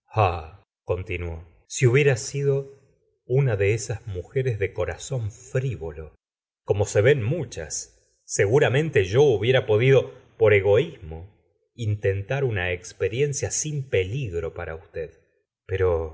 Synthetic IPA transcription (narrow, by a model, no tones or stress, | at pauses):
a | ko̞nt̪inwo̞ | siuβjeɾasið̞o̞ | unaðe̞esazmuxe̞ɾezðe̞ko̞ɾaso̞ɱfɾiβo̞lo̞ | ko̞mo̞se̞βe̞nmut͡ʃa̰sː | e̞ɣuɾamẽ̞nt̪e̞ʒo̞uβje̞ɾapo̞ðiðo̞po̞ɾe̞ɣo̞izmo̞ | int̪e̞nt̪aɾunaekspe̞ɾje̞nsjasimpe̞liɣɾo̞paɾa̰ust̪eð | pe̞ɾo̞